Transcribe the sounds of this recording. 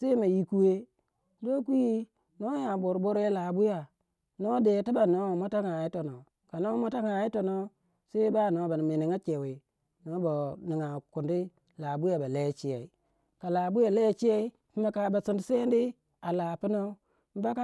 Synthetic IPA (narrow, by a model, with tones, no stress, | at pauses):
se˦ma˨ji˦ku˦we˦ | do˦ku˦ji˦ | no˦ja˨bo˨ɾbo˦ɾe˦la˨bu˦ja˨ | no˦de˨ti˦ba˨no˦˨mo˦ta˦ŋa˨ji˦to˨no˨ | ka˨no˦mo˦ta˦ŋa˨ji˦to˨no˦ | se˦ba˦˨no˦ba˨n˨mi˨ni˨ŋa˦t͡ʃe˨we˨ | no˦ba˨ni˨ŋa˨ku˨ndi˦ | la˨bu˦ja˨ba˨le˦t͡ʃi˦je˨i˨ | ka˨la˨bu˦ja˨le˦t͡ʃi˦je˦i˦ | i˦ma˨˦ka˨ba˨si˨ndi˦se˦ndi˦ | a˨la˨pi˦no˦ | m̩˦ba˦ka˦